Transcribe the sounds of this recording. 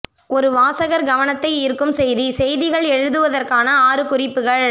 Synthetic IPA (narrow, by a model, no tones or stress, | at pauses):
ɔɾɯʋaːsɐɣɐɾɡɐʋɐnɐt̪ːɐɪɪɾɯkːɯmsɛjðisɛjðɪɣɐɭɛɻɯðɯʋɐðɐrkaːnɐaːɾɯkʊrɪpːɯɣɐɭ